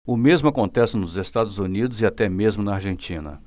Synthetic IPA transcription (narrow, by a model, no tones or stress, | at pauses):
ʊmezmʊakõnt̪ɛsɪnʊzest̪ad̪ʊzunid̪ʊzɪat̪ɛmezmʊnɐaɾʒẽnt͡ʃĩnɐ̰